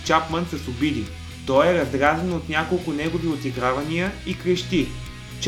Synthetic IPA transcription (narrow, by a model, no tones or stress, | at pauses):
t͡ʃapmənsɐsʊbid̪i | t̪ɔjɛɾɐzd̪ɾazənot̪nʲakolˠkʊnɛɡʊviot̪iɡɾavɐnijəikɾɛʃt̪i | t͡ʃ